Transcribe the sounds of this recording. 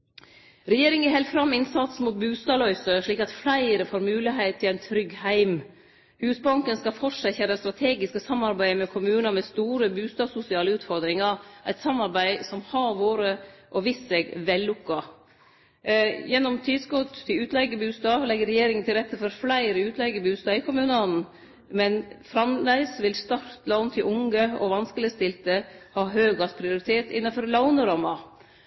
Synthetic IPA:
ɾɛjeːɾɪŋəɛɾhɛɪlt̪fɾɑmːɪnsɑt̪smut̪̚bʉːst̪ɑːlœʏsəʂɭiːkɑt̪flæɪɾəfoːɾmʉːlɪɦeɪt̪ʰːɪlæɪnt̪ʰɾʏɡhæɪm | hʉːsbɑŋkənskɑfɔʂæçæɾəst̪ɾɑt̪ʰeːɡɪskəsɑmːɑɾbæɪmɛkʰʊmʉːnɑmɛst̪uːɾəbʉːst̪ɑːsʊsɪɑːləʉːt̪fɔɾd̪ɾɪŋɑʔæɪt̪sɑmːɑɾbæɪsɔmhɑɾʋoːɾəʔɔʋɪsɛɡʋɛlːʊkːɑ | jɛnːɔmt̪ʰiːd̪skɔt̪ʰːɪlʉːt̪ʰlɛɡəbʉːst̪ɑːlɛɡːəɾɛjeːɾɪŋənt̪ʰɪlɾɛt̪ːəfɔɾflæɪɾəʉːt̪ʰlɛɡəbʉːst̪ɑːɪkʰʊmʉːnɔnn̩ | mɛnfɾɑmlæɪsʋɪlst̪ɑɾt̪lɑʊnt̪ʰɪlʔʊŋɡəɔ̰ʋɑnskəlɪəst̪ɪlt̪əhɑːɦøːɡɑspʰɾɪʊɾɪt̪ʰeːt̪ɪ̰nːɑfɔɾlɑʊnəɾɑmːɑ

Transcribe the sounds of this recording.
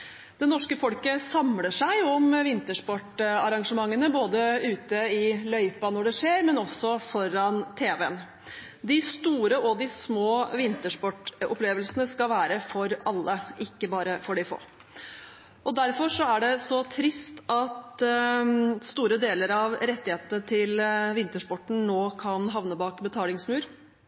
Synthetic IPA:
d̪̥ɛnɔʂkəfɔlkəsɑmləʂæɪɔmʋɪnt̪əʂpɔʈːɑɾɑŋʂəmɑŋːənəboːd̪əʉːt̪əɪlœʏpɑnɔɖɛʂeːɾmɛnɔsɔfɔɾɑnt̪ʰeːʋeən | d̪ɪst̪uːɾəʔɔd̪ɪsmoːʋɪnt̪əʂpɔʈːɔ̰pleːʋəlsənəskɑlʋæːɾəfɔɾɑlːəʔɪkːəbɑːɾəfɔɖɪfo̰ː | ʔɔd̪æɾfɔʂɔæɖɛsɔt̪ʰɾɪst̪ɑt̪ | st̪uːɾəd̪eːləɾɑʋɾɛt̪ːɪheːt̪nət̪ʰɪlʋɪnt̪əʂpɔʈːɳ̩noːkʰɑnɦɑʋnəbɑːkbət̪ʰɑːlɪŋsmʉːɾ

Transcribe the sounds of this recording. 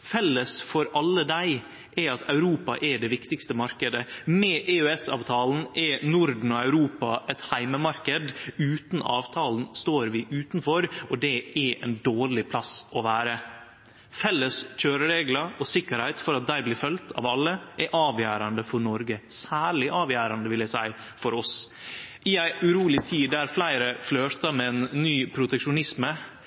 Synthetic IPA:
fɛlːəsfɔɾɑlːəd̪æɪ | ʔɛɑt̪ʰɑʉɾuːpɑ̰ʔɛɖɛʋɪkt̪ɪkst̪əmɑɾkəd̪əmɛʔeøɛsɑ̰ːʋt̪ʰɑːln̩ʔɛnʊɾd̪n̩ɔɑʉɾuːpɑʔɛt̪hæɪməmɑɾkəd̪ʉːt̪n̩ʔɑ̰ːʋt̪ʰɑːln̩st̪oːɾʋɪʔʉːt̪nfɔɾɔd̪ɛʔɛʔɛ̰nd̪oːɭɪpʰlɑsɔʋæːɾə | fɛlːəsc͡çøːɾəɾeːɡləɔsɪkːəɾhæɪt̪fɔɾɑt̪̚d̪æɪblɪːɾfœlt̪ʰɑ̰ːʋɑlːəʔɛɾʔɑːʋjæːɾɑnd̪əfɔɾɳɔɾɡəsæːɭɪʔɑːʋjæːɾɑnd̪əʋɪljæɪsæɪ | fɔɾɔs | ʔɪæɪʉɾuːlɪt̪ʰiːd̪æːɾflæɪɾəfløːt̪əmɛɛnːyːpʰɾʊt̪ɛkʂʊnɪsmə

